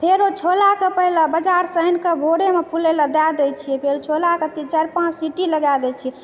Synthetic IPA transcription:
pʰeɾot͡ʃʰolakepəɦilabəd͡ʒaɾsənkebʱoɽemepʰuleləd̪ad̪ɛt͡ʃʰiɛpʰeɾot͡ʃʰolaket̪it͡ʃəɾpãsiʈiləɡad̪ɛt͡ʃʰiɛ

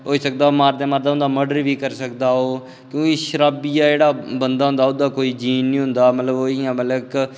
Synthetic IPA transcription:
oːiːsək̚d̪aːoːmaːɾd̪eːmaːɾd̪aːʊ̃nd̪aːməɖəɾʋiːkəɾsəkd̪aːɦoː | kjõːkiːʃəɾaːbijaːd͡ʒeːɽaːbənd̪aːɦʊ̃nd̪aːʊd̪ãːkoːiːd͡ʒiːnːĩːɦʊnd̪aːmət̪ləboːɪjãːmət̪lək

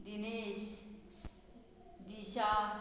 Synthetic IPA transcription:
d̪ineːɕ | d̪iɕa

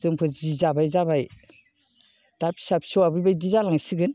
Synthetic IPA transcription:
zɯŋpʰɯzizabajzaβaj | d̥apʰi̥sapsɔwabɯbajdizalaŋsiɡɯn

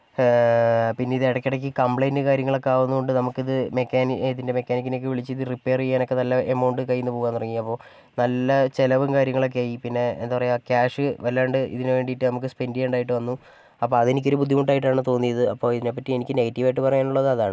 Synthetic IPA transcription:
pinːeiðɨeɽɐkʲːiɽɐk̬ʲːɨkɐmbɭejndɨkaːɾjɐŋːɐɭokːeaːʋunːuko̞ɳɖɨnɐmukːiðɨmekʲːaːnðinde̞me̞kʲːaːnik̬ʲːine̞k̬ʲːɨʋiɭit͡ɕːɨiðɨripːe̞ːrijaːno̞kːe̞nɐlːɐʔemɐːɳɖɨkɐjːunːɨpo̞ːɣuːanːurɐŋːijɐpːo̞ː | nɐlːɐt͡ɕe̞lɐʋumkaːɾjɐŋːɐɭo̞k̬ːeaːjipinːe̞ḛnd̪aːʋɐrɐjaːkaːʂɨʋɐlːaːɳɖɨʔḭðinɨʋe̞ːɳɖiʈːɨnɐmukːɨspe̞ndieuɳɖaːjiʈːɨʋɐnːu | ɐpːo̞ːɐðe̞nikʲːoɾubud̪ʱimuɳɖaːjiʈ̬ːaːɳɨt̪o̞ːnːijɐðɨɐpːo̞ːiðine̞pːɐtːie̞nikʲːɨne̞ɣɐtːiʋaːjiʈːɨpɐrɐjaːɳuɭːɐðɐðaːɳɨ

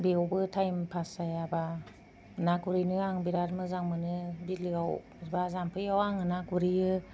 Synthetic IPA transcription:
beowbɯtʰajmpʰasajaba | naɡuɾijnɯaŋbiɾaɾmɯzaŋmɯnɯbilɯɡaw | bazampʰɯjawaŋɯnakuɾijɯ

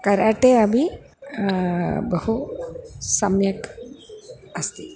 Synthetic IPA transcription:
kɐɾaʈeɐbʱi | bəhu | sɐmjək | ɐst̪i

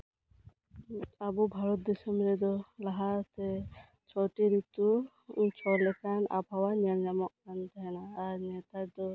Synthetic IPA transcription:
abubʱaɾɔt̪̚d̪ɛsɛmbɾɛd̪ɔlaɦaɾt̪ɛ | t͡ʃʰɔʈiɾit̪u | t͡ʃʰɔlɛkana̰bʱawaniɾɲamɔk̚kant̪ɛɦɛnaːɾnɛt̪aɾd̪ɔ

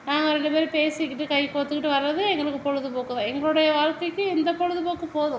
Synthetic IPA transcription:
naːŋɡɐɾɛɳɖɯpeːɾɯpeːsɪkːɪʈːɯkɐɪpoːt̪ːɯkːɪʈːɯʋɐɾɾɐðɯɛŋɡɐɭɯkːɯpɔɻɯðɯpoːkːɯðãːɛŋɡɐɭɯɽɐjɐʋaːɻkɐɪkːɯɪnd̪ɐpɔɻɯðɯpoːkːɯpoːðɯ̃

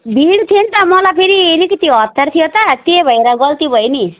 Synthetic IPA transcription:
bʱiɽt̪ʰint̪ʌmʌlapʰeɾielikit̪iʌt̪ːʌɾt̪ʰijot̪at̪ebʱʌjɾaɡʌlt̪ibʱʌjni

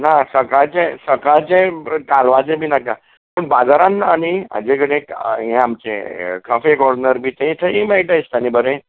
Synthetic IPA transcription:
nasəkaɭt͡sẽsəkaɭt͡sẽkalʋat͡sẽbʱiːnaka | pəɳbad͡zaɾãnːaːɽ̃ia̰d͡ʑekəɽẽɦẽamt͡ɕḛkʰəfekɔɽnəɾbʱiːt̪eĩt̪ʰəĩmeɭʈajst̪anibəɾẽ

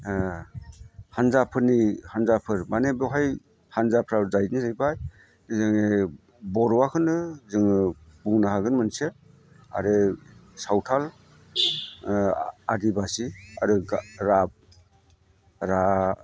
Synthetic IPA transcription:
hanzapʰɯɾnihanzapʰɯɾmanebɔɦaj | hanzapʰɾazajnizajbaj | zɯŋe | bɔɾɔwakʰɯnɯzɯŋɯbuŋnaɦaɡɯnmɯnse | a̰ɾesawtʰal | adibasia̰ɾɯɡɾab̚ | ɾa

